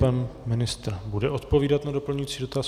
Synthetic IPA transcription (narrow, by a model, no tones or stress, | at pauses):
panmɪnɪst̪ɾ̩budɛʔo̞t̪po̞viːdat̪nado̞pl̩ɲujit͡siːdo̞t̪aːs